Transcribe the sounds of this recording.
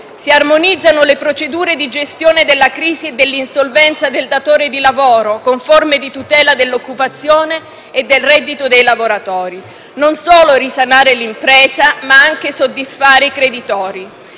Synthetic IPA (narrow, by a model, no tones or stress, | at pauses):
siarmonid̪zːanolepɾot͡ʃed̪uːɾed̪id͡ʒest̪joːned̪elːakɾiːzied̪ːelːinsolvɛnt̪sad̪eld̪at̪oːɾed̪ilavoːɾokoɱformed̪it̪ut̪ɛːlad̪elːokːupat̪sːjoːneː | d̪ːelrɛd̪ːit̪od̪ejlavoɾat̪ɔːɾi | nonsoːloɾisanaːɾelimpɾɛːzamaaŋk̟esod̪ːisfaːɾeikɾed̪it̪ɔːɾi